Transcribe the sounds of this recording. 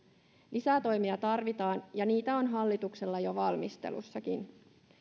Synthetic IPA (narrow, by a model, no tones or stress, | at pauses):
lʔisæt̪o̞jmiɑt̪ɑrʋit̪ɑːnjɑniːt̪æo̞nɦɑlːit̪ukse̞lːɑjo̞ʋɑlmist̪ḛlṵsːɑkin